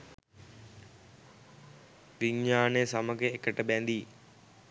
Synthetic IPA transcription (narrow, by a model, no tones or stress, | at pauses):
ʋiɲːaːnejsaməɡəekəʈəbænd̪i